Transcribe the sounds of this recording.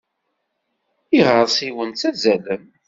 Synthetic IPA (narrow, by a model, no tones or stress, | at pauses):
iʁəɾˤsiwənt͡sæzælən